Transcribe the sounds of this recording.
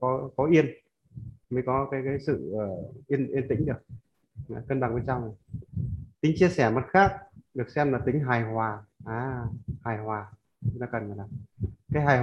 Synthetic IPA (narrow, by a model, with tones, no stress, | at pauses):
kɔ˨˦kɔ˨˦ʔi˧ən | mə˨˦jkɔ˨˦kaː˨˦jkaː˨˦jsɨ̰˧˨ʔəː˨˩ʔi˧ənʔi˧ənt̪ï˧˦ŋ̟ɗɨ˨˩ək̚ | a˨˩kə˧nɓa˨˩ŋɓe˨˧˦nt͡ɕa˧wŋ͡mna˨˩j | t̪ï˨˦ŋ̟t͡ɕi˧əsɛ˧˩mə˨˦˩t̚xaː˦˥k̚ɗɨ˨˩ək̚sɛ˧mlaː˨˩t̪ï˨˦ŋ̟ɦaː˨˩jhwaː˨˩ʔaː˧˩haː˨˩jhwaː˨˩ | ɲ˧nɔ˨˦kə˨˩nvəː˨˩laː˨˩kaː˨˦jɦaː˨˩